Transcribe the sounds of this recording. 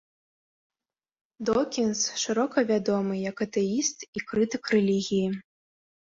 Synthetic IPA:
d̪ɔkʲinsʂɨɾɔkɐvʲad̪ɔmɨjɐkɐt̪ɛist̪ikɾɨt̪ɨkrɛlʲiɣʲiji

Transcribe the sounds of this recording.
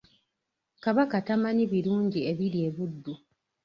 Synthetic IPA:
kaβakatamaniβiɾuːɲɟieβiɾje̞βudːu

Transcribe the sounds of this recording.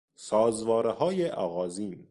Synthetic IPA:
sɒːzvɒːɾehɒːjeʔɒ̰ːɣɒːziːn

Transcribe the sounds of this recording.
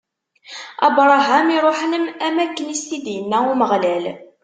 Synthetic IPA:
ɑ̰bɾˤɑɦæmiɾˤoħnəmæmækːənist̪id̪jənːæuməʁlæl

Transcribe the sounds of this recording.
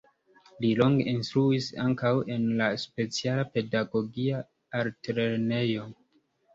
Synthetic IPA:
lilo̞ŋɡeʔinstɾuisa̰ŋkawe̞nlaspe̞t͡sialape̞daɡo̞ɡia | aɾtɾene̞jo̞

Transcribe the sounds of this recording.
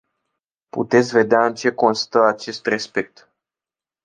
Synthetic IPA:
pṵt̪e̞t̪sʲve̞d̪eaɨnt͡ʃe̞ko̞nst̪əat͡ʃe̞st̪re̞spe̞k̚t̪

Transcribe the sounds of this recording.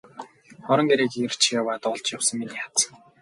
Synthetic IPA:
χɔɾɞ̆ŋɡeɾeːkier̥t͡ɕʰijawaːt̪ɔɮt͡ɕjawsə̆ŋminiḁt͡s

